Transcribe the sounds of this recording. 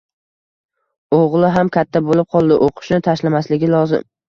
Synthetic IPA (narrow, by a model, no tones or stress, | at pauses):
oʁlˠɪɦamkʲʰat̪ʰːabolɪp̚qʰɒlˠd̪ɪʔoqʰɨ̥ʃnɪt̪ʰaʃlamaslɪɡʲɪlˠɒzɪ̰m